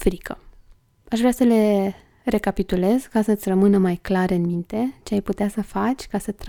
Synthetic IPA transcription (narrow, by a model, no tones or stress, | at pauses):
fɾikʰə | aʃvɾeasəle̞ | re̞kapit̪ule̞zkasəɨt̪sʲrəmɨnəmajklaɾɨnmint̪e̞t͡ʃe̞ajput̪easəfat͡ʃʲkasət̪ɾ